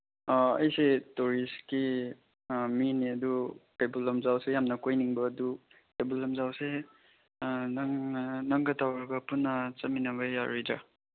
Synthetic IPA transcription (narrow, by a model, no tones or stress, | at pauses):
ɐ̰jsetuɾiski | miniɐdukajbulɐmzawsejamnɐkojniŋbɐːdu | kajbulɐmzawse | nŋnɐŋɡɐtawɾɐɡɐpunːɐt͡ʃɐminɐβɐjaɾidɾa